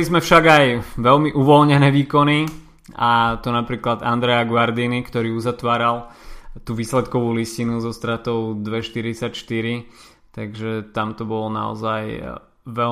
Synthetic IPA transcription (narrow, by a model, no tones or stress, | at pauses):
lizmɛfʃaɡajʋɛlmiʔuʋɔlɲɛnɛːʋiːkɔni | at̪ɔnapɾiːklad̪a̰nd̪ɾɛaɡʋaɾd̪inikt̪ɔɾiːuzat̪ʋaːɾalt̪uʋiːslɛt̪kɔʋuːliscinuzɔst̪ɾat̪ɔʊd̪ʋɛʃt̪iɾit͡sacʃt̪iɾi | t̪aɡʒɛt̪amt̪ɔbɔlna̰ɔ̰zaj | ʋɛ